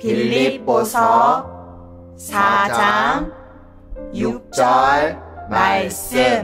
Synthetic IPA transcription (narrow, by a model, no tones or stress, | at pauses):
pʰilipːosɔ | sat͡ɕaŋ | juk̚t͡ɕɔlbajse